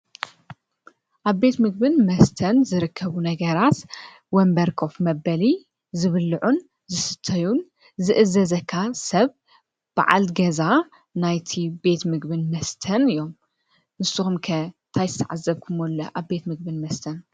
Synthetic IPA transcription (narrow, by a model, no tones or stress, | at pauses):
ʔaβbe̞t̪mɨɡbɨnmɐst̪ʰɐnzɨɾɨkʰːɐβunɐɡɐɾat̪ | wɔmbɐɾkʰo̞fmɐbɐli | zɨβɨlɨʕun | zɨsɨ̥t̪ʰːɐjun | zɨʔɨzɐzɐkʰːasɐβ | b̥a̰ʕa̰lɡɐza | najt̪ʰibe̞t̪mɨɡbɨnmɐst̪ʰɐnɨjom | nɨsɨxumkʰɐt̪ʰajzɨ̥t̪ʰɐʕazːɐβkʰɨmolːɐʔaβbe̞t̪mɨɡ̚bɨnmɐst̪ʰɐn